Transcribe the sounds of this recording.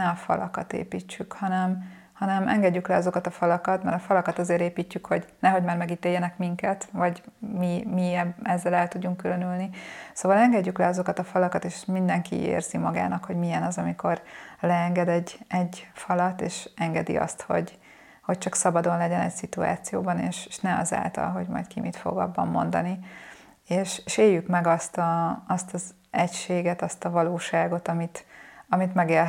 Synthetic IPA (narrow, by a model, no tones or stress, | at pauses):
ɛɒfɒ̰lɒ̰kɒt̪ḛːpiːt͡ʃːykhɒnɛm | hɒnɛmɛŋɡɛɟːyklɛɒzo̞kɒt̪ɒfɒlɒkɒt̪mɛ̰ɾɒfɒlɒkɒt̪ɒzeːɾeːpiːcːykho̞ɟnɛɦo̞ɟmaːrmɛɡit̪eːjːɛnɛkmiŋkɛt̪vɒɟmimiɛɛzːɛlɛlt̪uɟːuŋkylø̞nylnisoːvɒlɛŋɡɛɟːyklɛɒzo̞kɒt̪ɒfɒlɒkɒt̪eːʃmind̪ɛŋkḭḛːrz̥imɒɡa̰ːnɒkho̞ɟmijɛnɒzɒmiko̞rlɛɛŋɡɛd̪ɛɟːɛɟːfɒlɒt̪eːʃɛŋɡɛd̪ḭɒ̰st̪ho̞̰ɟ | ho̞c̚t͡ʃɒksɒbɒd̪o̞nlɛɟɛnɛ̰csit̪ua̰ːt̪sijoːbɒnḛːʃeʃnɛɒ̰za̰ːlt̪ɒ̰lɦo̞ɟmɒ̰jt̪kimʔḭt̪fo̞̰ɡɒ̰bːɒ̰mːo̞̰nd̪ɒni | eːʃeʃeːjːykmɛɡɒst̪ɒɒst̪ɒz | ɛcʃeːɡɛt̪ɒst̪ɒvɒloːʃaːɡo̞t̪ɒmit̪ɒmit̪mɛɡeːl